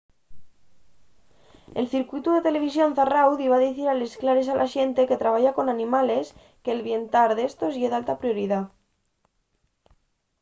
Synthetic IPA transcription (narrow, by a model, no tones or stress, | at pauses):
e̞̰lθiɾkwit̪uðe̞t̪e̞le̞β̞isjo̞nθarawðiβ̞aðiθiɾale̞sklaɾe̞s̬alʔaʃe̞nt̪e̞ke̞t̪ɾaβ̞aʝako̞nanĩmale̞s | keːlβje̞nt̪aɾðe̞st̪o̞zʝeðalt̪apɾjo̞ɾiða